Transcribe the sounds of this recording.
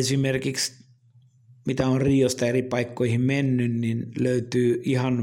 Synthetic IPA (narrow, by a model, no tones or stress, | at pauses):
esimerkiks | mit̪æorriːost̪ɑeripɑikːoihimmenːynninløyt̪yːihɑn